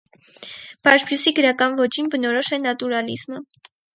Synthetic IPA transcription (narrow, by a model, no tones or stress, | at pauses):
b̥ɑʒbʰjusiɡəɾɑkɑnvɔt͡ʃinbənɔɾɔʃɛnɑt̪uɾɑlizmə